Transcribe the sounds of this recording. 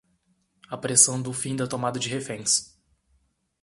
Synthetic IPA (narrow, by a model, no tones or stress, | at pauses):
ɐpɾesɐ̃w̃d̪ʊfĩd̪ɐt̪omad̪ɐd͡ʒɪɦefẽs